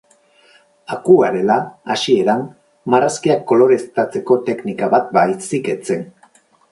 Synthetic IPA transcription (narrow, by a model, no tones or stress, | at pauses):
akuaɾe̞laasie̞ɾan | maraskiakːo̞lo̞ɾe̞st̪at͡se̞ko̞t̪e̞knikaβat̪̚bajsike̞t͡se̞n